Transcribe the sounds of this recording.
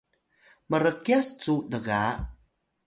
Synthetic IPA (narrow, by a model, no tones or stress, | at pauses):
məɾəkiast͡sudəɣa